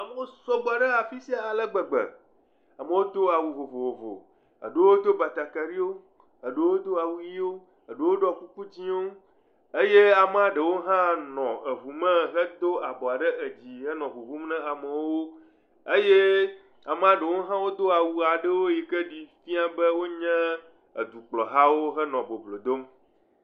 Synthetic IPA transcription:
a˨mə˦wo˦sɔ˦ɡ͡bɔ˦˨a˨ɖə˦a˨fi˦si˦a˨a˨lə˦ɡ͡bə˨ɡ͡bɛ̰˨ | a˨mə˦wo˦d̪o˦a˨wu˨vo˨vo˨vo˨vo̰˨ | ə̰˨ɖe˦wo˦d̪o˦ba˨t̪a˨ka˨ɖi˦wo˦ | ə˨ɖe˦wo˦d̪o˦a˨wu˦ji˦wo˦ | ə˨ɖe˦wo˦ɖɔ˨ku˦ku˦t͡ɕi˦o˦ | e˦je˦a˨m˦a˨ɖə˨wo˦ɦã˦nɔ̃˨ə˨βu˨mɛ̃˦ɦɛ˦d̪o˦a˨bɔ˨a˨ɖɛ˦ʔe˨d͡ʑi˨ɦɛ˦nɔ̃˨ɦu˨vu˦mnɛ̃˦a˨mə˨wo˦ | e˦je˦ | a˨mɛ˦a˨ɖə˨wo˦ɦã˦wo˦d̪o˦a˨wu˨a˨ɖə˦wo˦ji˨kɛ˦ɖi˨fi˦a˨bɛ˦wo˦ɲɛ̃˦ | ə̰˨d̪u˨k͡plɔ˨ɦa˦wo˦ɦɛ˦nɔ̃˨bo˨blo˨d̪o˦m

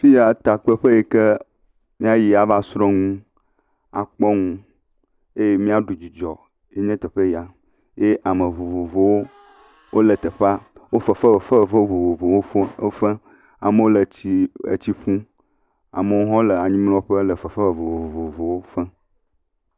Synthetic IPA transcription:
fi˦ja˨t̪a˨k͡pə˦ɸə˦je˨ke˦ | mĩ˦a˦ji˨a˨va˦sɾɔ˦ŋũ˦ | a˨k͡pɔ˦ŋũ˦ | e˦je˦mĩ˦a˦ɖu˨d͡ʑi˨d͡ʒɔ˨ | e˦ɲɛ̃˦t̪ə˨ɸe˦ji˨a˨ | je˦ʔa˨mə̃˨vo˨vo˨vo˨wo˦ | wʔo˦lə˨t̪ə˨ɸa˦wo˦fə˨fə˦˨fə˦˨fə˦˨vo˨vo˨vo˨wo˦fə˦fɛ̃˦ | a̰˨mə˦wo˦lə˨t͡ɕi˦ḛ˨t͡ɕi˦ɸũ˦ | a̰˨mə˨wo˦ɦɔ̃˦lə˨a˨ɲĩ˦ml̃ɔ̃˦ɸə˦lə˨fə˨fə˦˨vo˨vvo˨vo˨vo˨wo˦fɛ̃˦

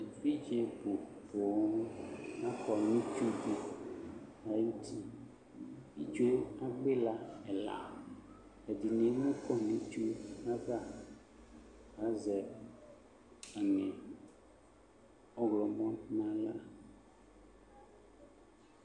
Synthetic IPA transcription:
vi˦d͡ʒe˨bo˨bo˨˦nũ˦nã˦kɔ˨nĩ˦t͡ʃu˦di˦ | a˨jt̪ʰi˦ | i˨t͡ʃu˦e˦a˦ɡ͡be˦la˦ɛ˨la̰˨ | ɛ˨di˨nẽ˨˦mũ˦kɔ˦nĩ˨t͡ʃu˦a˦va˦˨ | ɣa˦zɛ˨ | a˨ŋɛ̃˨ | ɔ˦ɣlɔ˨mɔ̃˦nnã˦la˦

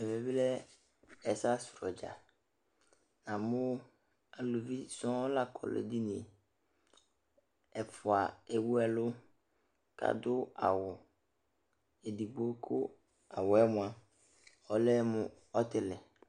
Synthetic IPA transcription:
ɛ˨ve˨bi˦lɛ˦ | ɛ˨sa˦sʊ˨ɾɔ˨d͡ʒa̰˨ | nã˨mʊ̃˦ | a˨lu˨vi˦sɔ̃˦la˦kʰɔ̰˨lḛ˨di˦nĩ˨e˨ | ɛ˨fʊ˨a˨e˨wu˦ɛ˨lʊ˦ | ka̰˨dʊ˦a̰˨wʊ˨ | e˨di˨bo˦kʰʊ̰˦ | a˨wʊ˨ɛ˦mʊ̃˨a˨ | ɔ˨lɛ˦mʊ̃˨ | ɔ˦tɪ˨lɛ˨

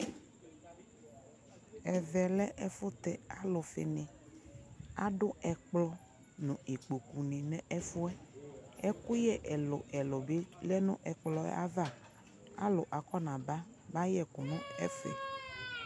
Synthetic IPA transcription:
ɛ˨vɛ˨lɛ˦ʔɛ˨fʊ˦t̪ɛ˨a˦lʊ˨fɪ̰˨nɪ̃˨ | a˦ɖʊ˦ɛ˨k͡plɔ˦ | nʊ̃˨e˨k͡po˨ku˨nĩ˨nɛ̃˦ʔɛ˦fʊ˦ɛ˦ɛ˦kʊ˦jɛ˦ʔɛ˨lʊ̰˨ɛ˨lɔ˨be˦lɛ˦nʊ̰̃˦ʔɛ˨k͡plɔ˦ɛ̰˦a˦va˦˨ | a̰˦lʊ˨ʔa˨kɔ˦nã˨ba˦ | ba˦jɛ˦kʊ˨nʊ̃˦ɛ˦fɛ̰˨

